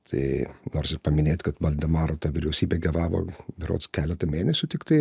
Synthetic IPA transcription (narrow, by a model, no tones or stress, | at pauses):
t̪ʰɐ̰ɪnoːrsɪpɐmʲɪnʲeːt̪ʲkɐt̪ʋɐlʲd̪ʲɛmɑːɾoːt̪ɑːʋʲɪɾʲɛʊsʲiːbʲeːɡʲɐʋɑːʋo̰ːbʲɪɾo̰ːt̪skʲæːlʲɛt̪ɐmʲeːnʲɛsʲʊt̪ʲɪkt̪ɐɪ